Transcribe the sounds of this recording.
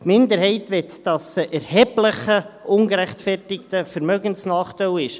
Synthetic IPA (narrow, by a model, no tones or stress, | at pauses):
tmɪnd̪əɾhɛɪtʋɛt̪d̥ɑsəʔɛɾhɛbləχəʔʊŋɡəɾæχtfɛrtɪktəfəɾmœɡənsnɑːχt̪ɛɪlɪʃ